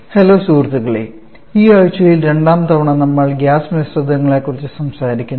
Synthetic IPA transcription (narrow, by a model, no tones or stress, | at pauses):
heloːsuːrt̪ːuɣɐɭḛ | iːɐɻt͡ɕːɐlilɾe̞ɳɖaːmt̪ɐʋɐɳɐnɐmːɐɭɡʲjaːsmesrɐd̪ɐŋːɐɭekːurit͡ɕːɨsɐmsaːɾikʲːunː